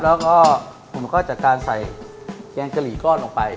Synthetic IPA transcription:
lɛː˦˥wkɔː˥˩pʰu˨˩˦mkʰɔː˥˩t͡ɕaː˨˩kaː˧nsa˨˩j | kɛː˧ŋkʰa˧liː˩˦kɔː˥˩nloː˧ŋpa˧j

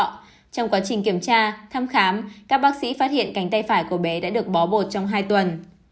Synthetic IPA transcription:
t͡ɕɔ˧wŋ͡mkwaː˨˦t͡ɕï˨˩ŋ̟ki˧˩əmt͡ɕaː˧t̪ʰaː˧mxaː˨˦mkaː˦˥k̚ɓaː˦˥k̚sḭ˧˥faː˦˥t̚hḭ˧˨ənka˨˦jŋ̟t̪a˧jfaː˧˩jku˧˩əɓe˨˦ɗa̰ː˧˥ɗɨ˨˩ək̚ɓɔ˨˦ɓo˨˩t̚t͡ɕɔ˧wŋ͡mɦaː˧jt̪wə˨˩n

